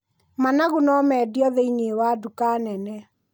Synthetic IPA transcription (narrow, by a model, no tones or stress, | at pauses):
manaɣonɔmɛːdiɔðeineːwaːdukaːnɛnɛ